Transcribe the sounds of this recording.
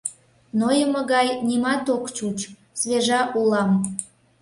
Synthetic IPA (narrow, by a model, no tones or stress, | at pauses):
nojəməɣɑjnimɑt̪okt͡ɕut͡ɕ | sβeʒɑʔulɑm